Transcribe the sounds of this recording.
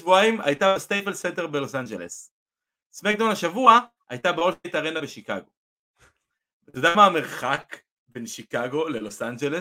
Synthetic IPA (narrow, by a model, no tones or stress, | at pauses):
vuaima̰jt̪abest̪ejfelsent̪eʁbelo̞sand͡ʒelḛs | smek̚d̪onaʃavua | ʔa̰jt̪abeolsejt̪aʁenabeʃika̰ɡo̞ | zodamaːme̞ʁχak | be̞nʃikaɡo̞le̞lo̞sʔand͡ʒeles